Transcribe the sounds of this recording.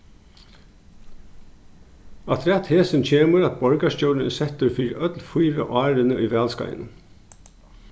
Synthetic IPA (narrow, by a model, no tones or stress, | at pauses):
ɑt̪ʰɾɛt̪heːsənt͡ɕʰeːməɾɑt̪̚bɔɹɡɑʂcoːln̩ə̰sɛt̪əɾfiːɾœt̪lfuːɾə̰ʔɑːɾənəʔiːʋæːlskɑ̰jə̰n